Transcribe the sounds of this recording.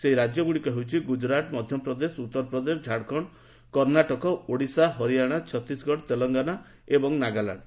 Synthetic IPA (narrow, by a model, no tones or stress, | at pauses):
seɦiɾad͡ʒjɔɡuɽikɔɦewt͡ʃʰiɡud͡ʒɾaʈmɔd̪ʱjɔpɾɔd̪esut̪ːɔɾpɾɔd̪esd͡ʒʱaɽkʰɔɽ̃ | kɔɾnaʈɔkɔoɽisaɦɔɾijaɽ̃at͡ʃʰɔt̪isɡɔɽt̪elɔŋɡana | ebɔŋnaɡala̰ɽɖ